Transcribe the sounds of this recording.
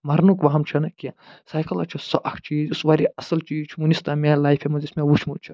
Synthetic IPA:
mɐɾnukʋɐɦɐmt͡ʃʰɐnɐkiã | saːjkɐlɐt͡ʃʰisɐʔɐkʰt͡ʃiːd͡ʒusʋaːɾiɐsɐlt͡ʃiːt͡ʃʰumunist̪amʲẽlaːjfʰemɐzismẽʋut͡ʃʰmut͡ʃʰi

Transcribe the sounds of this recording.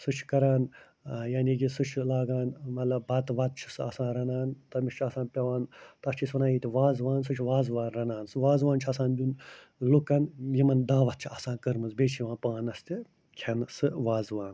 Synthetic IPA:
sɨt͡ʃʰkɐɾaːn | jaːniɡʲisɨt͡ʃʰlaːɡaːnmɐt̪lɐbbɐt̪ʋɐt̪̚t͡ʃʰi̥sɨɐsãːnɾɐnaːnt̪ɐmiʃt͡ʃʰɐsãːnpʲɐʋaːnt̪ɐst͡ʃʰisʋɐnaːjiːt̪ʲiʋaːzʋaːns̬ɨt͡ʃʰʋaːzʋaːnɾɐnaːnsɨʋaːzʋaːnt͡ʃʰɐsãːnd̪ʲun | lukɐnjimɐnd̪aːʋɐt̪̚t͡ʃʰiɐsãːnkɨɾmɨnzbeːt͡ʃʰjiʋaːnpaːnɐst̪i | kʲʰɐnsɨʋaːzʋaːn

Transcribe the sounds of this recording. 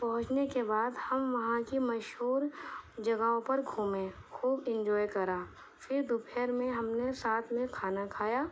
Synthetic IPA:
pɐɦʊ̃t͡ʃnekebaːd̪hɐmʋɐɦãkimɐʃɦuːɾd͡ʒɐɡaːõpɐɾɡʱuːmẽxuːbɪ̃nd͡ʒɔːjkɐɾaː | fʰɪɾd̪ʊpʰeɾmẽɦɐmnesaːt̪ʰmẽkʰaːnakʰaːjaː

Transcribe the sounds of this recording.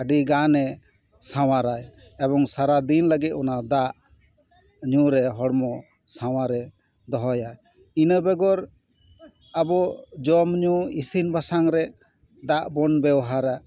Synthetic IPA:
aɖiɡanɛ | saw̃aɾaj | ɛbɔŋsaɾad̪inləɡit̪̚ɔnad̪aʔ | ɲuɾɛɦɔɽmɔ | sawaɾɛ | d̪ɔɦɔjaj | inəbɛɡɔɾ | abɔd͡ʒɔmɲuisinbasaŋɾɛ | d̪aʔbɔnbɛwɦaɾa

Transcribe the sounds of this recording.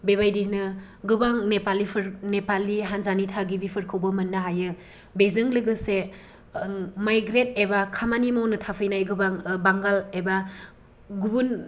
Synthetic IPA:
bebajdinɯ | ɡɯbaŋnepalipʰɯɾnepalːiɦanzanitʰaɡibipʰɯɾkʰɯwbɐmɐnːɯɦajɯ | bezɯŋlɯɡɯse | majɡɾet̚ebakʰamanimawnɯtʰapʰɯjnajɡɯbaŋbaŋɡaleba | ɡubun

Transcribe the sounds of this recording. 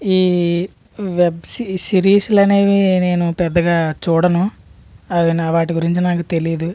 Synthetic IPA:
iː | ʋebsisiɾiːslɐne̞ːʋine̞ːnupɛd̪ːɐɡaːt͡ʃuːɽɐnu | ɐʋinɐʋaːʈiɡuɾiɲt͡ʃinaːkut̪e̞lid̪u

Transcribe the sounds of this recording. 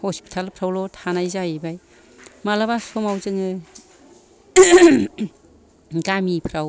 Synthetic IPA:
hospi̥tʰalpʰɾawlotʰanajzajbaj | malabasomawzɯŋɯ | ɡamipʰɾaw

